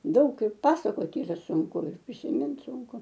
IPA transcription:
ˈdɐʊk ɪr ˈpɑːsɐkoːtʲ ˈiːrɐ sʊŋˈkʊ ɪr pʲrʲɪsʲɪˈmʲɪnt ˈsʊŋkʊ

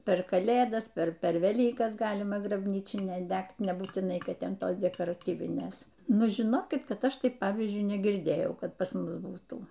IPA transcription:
pʲɛr kɐˈlʲeːdɐs ˈpʲɛr ˈpʲɛr ʋʲɛˈlʲiːkɐs ˈɡɑːlʲɪmɐ ɡrɐbʲˈnʲiːt͡ʃʲɪnʲæː ˈdʲɛkt nʲɛbuːtʲɪˈnɐɪ ˈkɐt ˈtʲɛn ˈtoːs dʲɛkoːrɐˈtʲiːʋʲɪnʲeːs ˈnʊ ʒʲɪˈnoːkʲɪt ˈkɐt ˈɐʃ ˈtɐɪp ˈpɑːʋʲiːzʲd͡ʒʲʊɪ nʲɛɡʲɪrʲˈdʲeːjɛʊ ˈkɐt pɐs ˈmʊs ˈbuːtuː

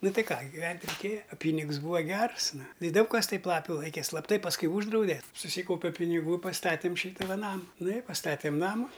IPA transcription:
ˈnʊ ˈtɐɪ ˈkɑː ɡʲɪˈʋʲɛnʲtʲ rʲɛɪˈkʲeːjɛ ɐ ˈpʲiːnʲɪks ˈbuːʋɐ ˈɡʲɛrs ˈnʊ ɪ ˈdɐʊk kɐs ˈtɐɪp ˈlˠɑːpʲʊ ˈlˠɐɪkʲɛ ˈslˠɑːpˈtɐɪ pɐsˈkʊɪ ˈuːʒdrɐʊdʲɛ sʊˈsʲiːkɐʊpʲɛ pʲɪnʲɪˈɡuː ɪ pɐsˈtɑːtʲeːm ˈʃʲiːtɐ ʋɐ ˈnɑːmɐ ˈnʊ ɪ pɐsˈtɑːtʲeːm ˈnɑːmʊ

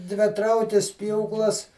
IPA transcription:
dʲʋʲɪˈtrɐʊkʲɪs ˈpʲjuːklˠɐs

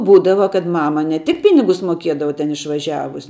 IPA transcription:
ˈbuːdɐʋɐ kɐt ˈmɑːmɐ nʲɛ ˈtʲɪk ˈpʲɪnʲɪɡʊs moːˈkʲiɛdɐʋɐ tʲɛn ɪʃʋɐˈʒʲæːʋʊs

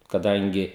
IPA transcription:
kɐˈdɐŋʲɡʲɪ

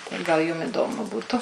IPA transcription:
tɐɪ ɡɐlˠ ˈjʊm ɪˈdoːmʊ ˈbuːtʊ

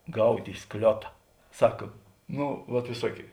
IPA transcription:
ˈɡɐʊtʲ ɪ ˈsklʲoːtɐ ˈsɐk ˈnoː ʋɐt ʋʲɪˈsuɔkʲeːɪ

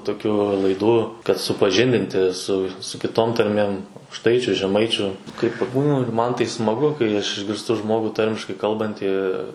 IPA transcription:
toːkʲˈuː lˠɐɪˈduː kɐt sʊpɐˈʒʲɪnʲdʲɪnʲtʲɪ sʊ sʊ ˈkʲɪtoːm tɐrʲˈmʲeːm ɐʊkˈʃtɐɪt͡ʃʲʊ ʒʲɛˈmɐɪt͡ʃʲʊ kɐɪ pɐˈbuːnʊ ɪr ˈmɐn ˈtɐɪ smɐˈɡʊ kɐɪ ɐʃ ɪʒʲɡʲɪrˈstʊ ˈʒmoːɡʊ ˈtɐrʲmʲɪʃkɐɪ ˈkɐlˠbɐnʲtʲiː

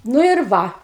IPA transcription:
nʊ ɪr ˈʋɐ

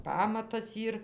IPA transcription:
ˈpɑːmɐtɐs ˈiːr

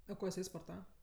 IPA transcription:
ɐ ˈkoː jɪˈsɐɪ spoːrˈtɑːʋɐ

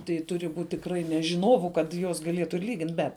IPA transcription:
tɐɪ ˈtʊrʲɪ ˈbuːtʲ tʲɪkˈrɐɪ nʲɛ ʒʲɪˈnoːʋʊ kɐt ˈjuɔs ɡɐˈlʲeːtʊ ɪr ˈlʲiːɡʲɪnt bʲɛt

